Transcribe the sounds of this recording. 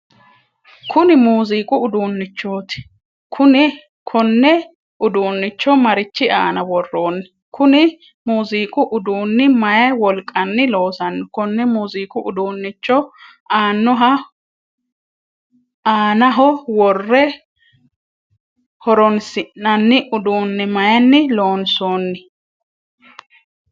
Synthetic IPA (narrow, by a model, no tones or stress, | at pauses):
kʰʊnɪmuːziːkʼʊʊd̪uːnːɪt͡ʃːoːt̪ɪ̥ | kʰʊnɪ | kʰɔnːɛ | ʊd̪uːnːɪt͡ʃːɔmɐɾɪt͡ʃːɪaːnɐwɔrːoːnːɪ | kʰʊnɪ | muːziːkʼʊʔʊd̪uːnːɪmɐjɐjwɔlkʼːɐnːɪlo̞ːsɐnːɪkɔnːɛmuːziːkʼʊʔʊd̪uːnːɪt͡ʃːɔ | aːnːɔɦɐ | aːnɐɦɔwɔrːɛ | hɔɾɔnsɪnːɐnːɪʔʊd̪uːnːɪmɐjɐnːɪlo̞ːnsoːnːɪ